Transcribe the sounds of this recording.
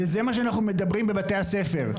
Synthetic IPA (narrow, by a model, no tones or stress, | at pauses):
ezemaʃ̬eanaχnume̞d̪abʁimbe̞bat̪e̞jase̞fe̞ʁ